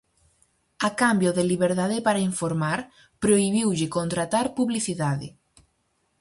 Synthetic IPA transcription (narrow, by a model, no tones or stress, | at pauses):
akambjoðeliβeɾðaðɪpaɾaiɱfoɾmaɾ | pɾoiβiwʎɪkont̪ɾat̪aɾpuβliθiðaðɪ̰